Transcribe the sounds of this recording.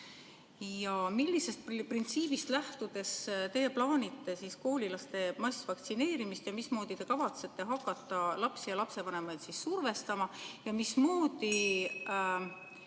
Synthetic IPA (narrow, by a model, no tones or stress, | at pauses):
jɑmilːise̞st̪̚pprint̪siːb̥ist̪læht̪ud̪̥e̞st̪e̞ːjeplɑːnʲit̪ːˑe̞sisko̞ːlʲilɑst̪e̞mɑsvɑk̚t̪sine̞ːɾimist̪jɑmismo̞ːd̪̥it̪e̞kɑvɑt̪se̞t̪ːe̞ɦɑkːˑɑt̪ːˑɑlɑpsijɑlɑpse̞vɑne̞mɑjd̪sisːurve̞st̪ɑmɑjɑmismoːd̪i